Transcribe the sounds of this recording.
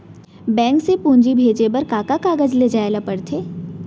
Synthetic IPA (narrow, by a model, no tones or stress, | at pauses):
bɛ̃ːŋksepũːɲd͡ʒibʱeːd͡ʒepɐɾkaːkakaːɡəd͡ʒleːd͡ʒaːelapəɽt̪ʰeː